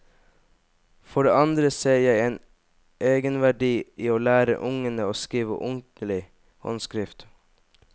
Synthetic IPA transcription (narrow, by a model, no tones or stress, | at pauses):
fɔɖḛːʔɑnd̪ɾəseːjæɪeːn | ʔeːɡənʋæɖiːʔiːoːlæːɾə̰ʔʊŋənəoːskiːʋə̰ʔʊnt̪n̩lɪ | hɔ̰nskɾɪft̪